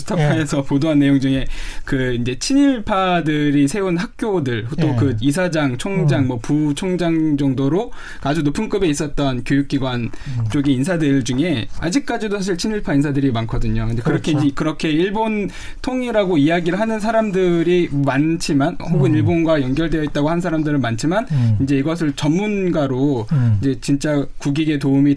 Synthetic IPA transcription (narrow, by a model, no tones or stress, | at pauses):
sɯ̥tʰʌpkʰaesʰʌpodoɦanːe̞joŋd͡ʑuŋe̞kɯind͡ʑe̞t͡ɕʰiɲiɭpʰadɯɾisʰe̞unɦak̚k͈jodɯɭutʰokɯis̬ʰad͡ʑaŋt͡ɕʰʌŋd͡ʑaŋmwʌput͡ɕʰʌŋd͡ʑaŋd͡ʑʌŋdoɾo | kad͡ʑudopʰunk͈ɯbe̞is͈ʌt̚t͈ʌnkjojuk̚k͈iɡwant͡ɕ͈oɡiːns̬ʰadɯɭd͡ʑuŋe̞a̰d͡ʑik̚k͈ad͡ʑidosʰaɕʰiɭt͡ɕʰiniɭpʰainsʰadɯɾimankʰʌdɯɲokɯndekɯɾʌkʰeid͡ʑekɯɾʌkʰe̞iɭbon | tʰoŋiɾaɡoijaɡiɾɯɭɦanɯns̬ʰaɾamdɯɾimant͡ɕʰimanhoɡɯniɭbonɡwajʌŋɡjʌɭde̞jʌit̚t͈aɡoɦhanɯnsʰaɾamdɯɾɯɭmant͡ɕʰimanind͡ʑe̞iɡʌs̬ʰɯɭt͡ɕʌmːunɡaɾoid͡ʑe̞t͡ɕint͡ɕ͈akuɡiɡe̞toumi